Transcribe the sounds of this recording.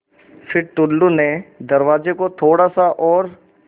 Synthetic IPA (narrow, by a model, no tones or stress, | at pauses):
fʰɪɾʈʊlːuned̪ɐɾʋaːzekot̪ʰoːɽasaʔɔːɾ